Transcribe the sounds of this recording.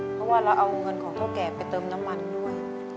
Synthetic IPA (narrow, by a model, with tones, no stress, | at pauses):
ppʰɔ˦˥waː˥˩ɾa˧wʔa˧wŋɤ˧nkʰɔː˩˦ŋt̪ʰaː˥˩wkɛː˧pa˧jt̪ɤː˧mna˦˥mːa˧ndu˥˩əj